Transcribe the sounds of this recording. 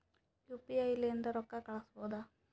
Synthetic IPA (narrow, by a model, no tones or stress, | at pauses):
kjuːpiajileend̪ɐɾɔkːakɐɭɐsuboːd̪a